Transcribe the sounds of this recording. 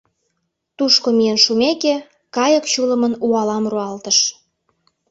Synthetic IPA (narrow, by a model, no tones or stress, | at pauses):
t̪uʃkomijənʃumeke | kɑjəkt͡ɕulə̆mənuɑlɑmruɑlt̪əʃ